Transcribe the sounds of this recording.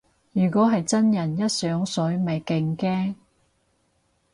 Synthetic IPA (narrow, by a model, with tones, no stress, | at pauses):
jyː˨˩kɔː˨˥ɦɐ˨jt͡sɐ˥njɐ˨˩njɐ˥t̚sœː˨˥ŋsɵ˨˥ɥmɐ˨jkɪ˨˧ŋkɛː˥ŋ